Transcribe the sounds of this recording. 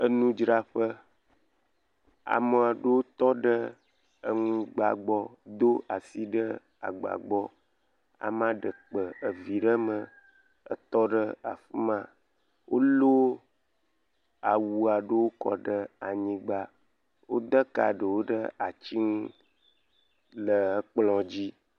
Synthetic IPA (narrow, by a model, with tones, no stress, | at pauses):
ə˨nũ˦d͡ʒɾa˨ɸə˦ | a̰˨mə˨a˨ɖə˦wo˦t̪ɔ˦ɖə˦ | ə˨ŋũ˦ɡ͡ba̰˨ɡ͡bɔ˦d̪o˦a˨si˦ɖə˦ | a̰˨ɡ͡ba̰˨ɡ͡bɔ˦ | a̰˨mã˦ɖə˨k͡pə˨ə˨vi˨ɖə˦mə˨ | ə̰˦t̪ɔ˦ɖə˦a̰˨fi˦mã˨ | wo˦lo˦ | a˨wu˨a˨ɖə˦wo˦kɔ̰˨ɖə˦a˨ɲĩ˦ɡ͡ba˦ | wo˦d̪ə˦ka̰˨ɖə˨wo˦ɖə˦a˨t͡ɕi˦ŋũ˦ | lə˨ə˦k͡plɔ̃˨d͡ʑi˦